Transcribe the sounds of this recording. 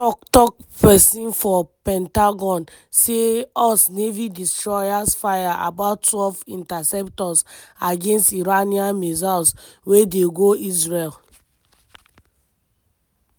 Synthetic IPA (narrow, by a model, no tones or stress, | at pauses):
ɔk̚tɔk̚pɛsĩnfɔpɛ̃ntaɡɔ̃n | seɔsnevidistɹɔjasfajaʔa̰batːwɛlvĩntasɛptɔsaɡẽnstiɹaniãnmezalswedeɡoisɹel